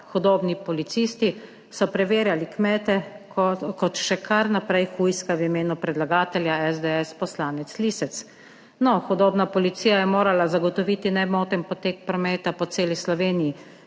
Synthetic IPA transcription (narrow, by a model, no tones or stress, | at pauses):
xɔd̪oːbnipɔlit̪sist̪i | sɔpɾɛʋeːɾjalikmɛːt̪ɛkɔkɔt̪ʃɛkʰaɾnapɾɛjxujskawimeːnupɾɛd̪laɡaːt̪ɛljaɛzd̪ɛɛspɔslaːnɛt̪sliːsɛt̪s | nɔxɔd̪oːbnapɔlit̪siːjajɛmoːɾalazaɡɔt̪ɔʋiːt̪inɛbmoːt̪ɛnpɔt̪eːk̚pɾɔmɛːt̪apɔt̪seːlislɔʋeːniji